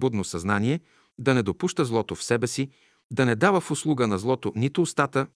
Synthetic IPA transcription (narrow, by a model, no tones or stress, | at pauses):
bud̪nosɐznaniɛ | d̪ɐnɛd̪opuʃt̪əzlˠɔt̪ofsɛbɛsi | d̪ɐnɛd̪avəfʊslˠuɡənɐzlˠɔt̪onit̪ʊːst̪at̪ə